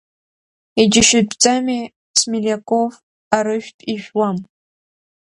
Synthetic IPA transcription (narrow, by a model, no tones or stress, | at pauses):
id͡ʒɪʃɪt͡sʼami | smilʲekʷʼof | aɾɨʒᶣtʼiʒʷᶣwam